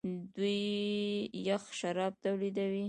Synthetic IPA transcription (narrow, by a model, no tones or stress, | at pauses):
d̪ujː | axʃaɾɑb̚t̪awlid̪awi